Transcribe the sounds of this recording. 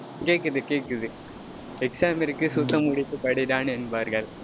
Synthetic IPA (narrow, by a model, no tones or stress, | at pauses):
keːkːɯðɯkeːkɯðɯ | ɛksaːmɪɾɯkːɯsʊt̪ːɐmʊɽɪt̪ːɯpɐɽɪɾaːnɛnbaːɾɣɐɭ